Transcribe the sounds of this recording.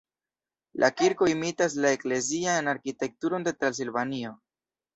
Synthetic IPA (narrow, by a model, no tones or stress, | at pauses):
lʔa̰kiɾko̞imitas̬lae̞kle̞zianaɾkite̞k̚tuɾo̞nde̞tɾans̬ilvanio̞